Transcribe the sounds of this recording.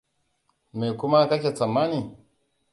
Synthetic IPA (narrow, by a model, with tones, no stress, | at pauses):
me˨ku˦ma˦ka˦k̬ʲe˨t͡sa˨mːa˦ni˨